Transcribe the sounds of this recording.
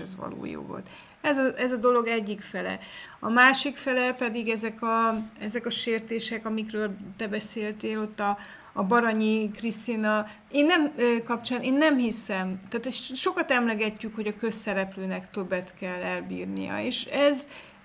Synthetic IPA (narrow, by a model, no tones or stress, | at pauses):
ɛ̰zʋɒ̰lo̰ːjo̰ːvo̰lt̪ | ɛzɒɛzɒd̪o̞lo̞ɡɛɟːikfɛlɛ̰ɒmaːʃikfɛlɛpɛd̪iɡɛzɛkɒɛzɛkɒʃeːrt̪eːʃɛkɒmikrøːlt̪ɛbɛseːlt̪eːlo̞t̪ːɒː | bɒɾɒɲikrist̪inɒ | eːnːɛmøːkɒpt͡ʃaːneːnːɛmhisɛmt̪aːt̪ɛʃo̞kɒt̪ɛmlɛɡɛcːykho̞ɟɒkø̞sːɛɾɛpløːnɛkt̪ø̞bːɛt̪kɛlːɛlbḭːrnḭjɒ̰eːʃɛz